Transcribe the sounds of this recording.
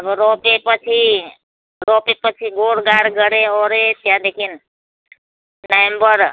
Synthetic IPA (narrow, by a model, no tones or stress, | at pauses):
əbɾoːpepət͡ʃʰi | ɾoːpepət͡ʃʰiɡoːɽɡaːɾɡəɽeɔɾet̪jãd̪ekʰin | nəembəɾ